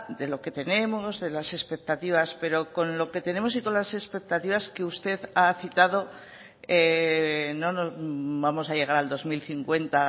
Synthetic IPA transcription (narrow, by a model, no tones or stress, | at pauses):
d̪elo̞ke̞t̪e̞ne̞mo̞zðe̞lase̞spe̞k̚t̪at̪iβ̞aspe̞ɾo̞ko̞nlo̞ke̞t̪e̞ne̞mo̞s̬iko̞nlase̞spe̞k̚t̪at̪iβaske̞ust̪e̞ðaθit̪aðo̞ | e | no̞no̞zbamo̞saʝe̞ɣ̞aɾald̪o̞zmilθiŋkwe̞nt̪a